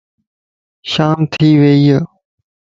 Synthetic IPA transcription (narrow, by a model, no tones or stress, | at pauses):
ʃaːmt̪ʰiːʋeːjə